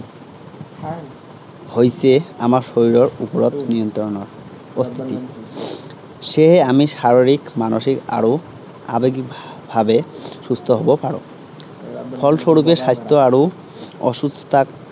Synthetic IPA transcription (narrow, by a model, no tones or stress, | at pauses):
hojseamaɹʃoɹiɾɔɹupɔɹɔt̪niɔnt̪ɾɔɔnɔɹ | ɔst̪ʰi̥t̪i | ʃeɦeamiʃaɹoɾikmanoʃika̰ɾo | a̰beɡikbʱabesust̪ʰɔɦobɔpaɹo̰ | pʰɔlʃoɾupeʃajst̪ʰɔaɹo | ɔ̰ʃust̪ʰɔ̥t̪ʰak